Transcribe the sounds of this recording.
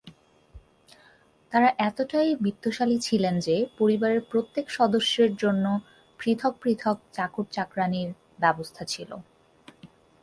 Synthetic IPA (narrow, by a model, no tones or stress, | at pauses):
t̪aɾaʔɛt̪oʈajbid̪ːoʃalit͡ɕʰilend͡ʑepoɾibaɾeɾpɾot̪ːekʃɔd̪oʃːeɾd͡ʑonːo | pɾit̪ʰok̚pɾit̪ʰok̚t͡ɕakuɾt͡ɕakɾaniɾ | bɛbost̪ʰat͡ɕʰilo̰